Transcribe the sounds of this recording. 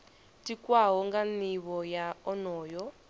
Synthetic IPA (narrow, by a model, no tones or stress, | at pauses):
tikwaɦɔŋɡaniβɔjaɔnɔːjɔ